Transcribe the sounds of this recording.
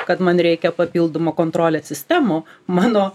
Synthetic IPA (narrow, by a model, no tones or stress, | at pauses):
kɐt̪mɐnɾʲɛɪkʲɛpɐpʲiːlˠd̪oːmoːkoːnt̪ɾoːlʲɛssʲɪsʲt̪ʲæːmomɑːnoː